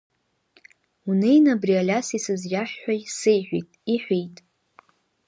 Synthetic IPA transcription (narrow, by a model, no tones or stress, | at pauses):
unejnabrialʲasisɨzʒʲaħːʷajsɨejħʷᶣḭtʼiħʷijtʼ